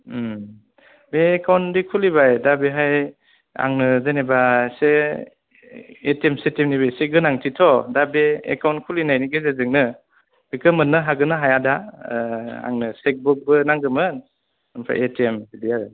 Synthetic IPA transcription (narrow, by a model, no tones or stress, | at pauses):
beːkawndikʰulibajdabeɦaj | a̰ŋnɯzanebase | etiemsetemnibeseɡɯnaŋtʰitʰɔdabeḛkawntkʰulinajniɡezezɯŋnɯ | bɯkɯmɯnːɯɦaɡɯnɯɦajada | a̰ŋnɯsek̚buk̚bɯnaŋɡɯmɯn | ɯmpʰa̰ʔetemidija